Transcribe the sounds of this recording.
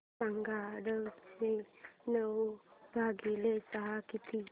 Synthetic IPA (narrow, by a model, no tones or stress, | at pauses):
ãŋɡaɽəenəwbʱaɡilesaɦakit̪ʰi